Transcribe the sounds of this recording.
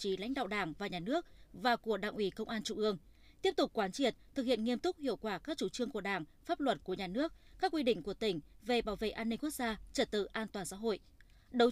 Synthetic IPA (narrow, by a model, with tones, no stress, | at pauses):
t͡ɕi˨˦la̰˧˥jŋ̟ɗa̰ː˧˨ɗaː˧˩ŋvaː˨˩ɲaː˨˩nɨ˦˥ək̚vaː˨˩ku˧˩əɗa̰ː˧˩ŋʔi˨˦kə˧wŋ͡mʔaː˧nt͡ɕu˧˨ʔɨ˧əŋ | t̪i˦˥əp̚t̪ʊ˨˩k͡p̚kwaː˨˦nt͡ɕi˧˩ət̚t̪ʰɨ˨˩k̚hḭ˧˨ənŋi˧əmt̪ʊ˦˥k͡p̚hḭ˧˨əwkwaː˧˩kaː˦˥k̚t͡ɕu˧˩t͡ɕɨ˧əŋku˧˩əɗaː˧˩ŋfaː˦˥p̚lwə˨˩t̚ku˧˩əɲaː˨˩nɨ˦˥ək̚kaː˦˥k̚ːwi˧ɗḭ̈˧˨ŋ̟ku˧˩ət̪ï˧˩ŋ̟ve˨˩ɓaː˧˩wvḛ˧˨ʔaː˧nï˧ŋ̟ku˦˥ək̚zaː˧t͡ɕə˨˧˩t̚t̪ɨ̰˧˨ʔaː˧nt̪waː˨˩nsa̰˧˥˦ɦo̰˧˨jʔ | ɗə˨˦w